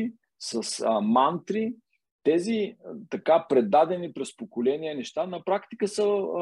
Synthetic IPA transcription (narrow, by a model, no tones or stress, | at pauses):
sɐsmant̪ɾi | t̪ɛzit̪ɐkapɾɛd̪ad̪ɛnipɾɛspokolɛniənɛʃt̪anɐpɾakt̪i̥kəsə